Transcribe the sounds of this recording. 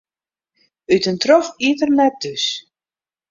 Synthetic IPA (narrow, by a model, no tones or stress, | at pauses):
ytəntrɔfiətərnɛt̚d̥øs